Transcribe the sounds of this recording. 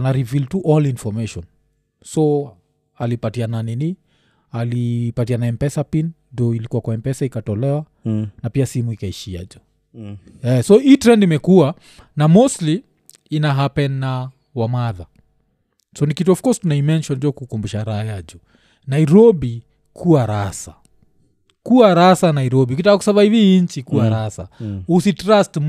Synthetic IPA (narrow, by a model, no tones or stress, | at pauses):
naɾiviltuʔɔlinfɔmɛʃɔn | sɔ | alipatiananini | alipatianaɛmpɛsapinndɔilikuwakwaɛmpɛsaikatɔlɛwa | napiasimuikaiʃia̰d͡ʒɔ̥ | ɛsɔiːtɾɛndimɛkua | namɔsli | inaɦapɛnːa | wamaða | sɔnikituɔfkɔstunaimɛnʃɔnd͡ʒɔkukumbuʃaɾaajad͡ʒɔ | naiɾɔbi | kʰuaɾasa | kuaɾasanaiɾɔbiukitakakusavaiviiɲ̩t͡ʃikuwaɾasa̰usitɾast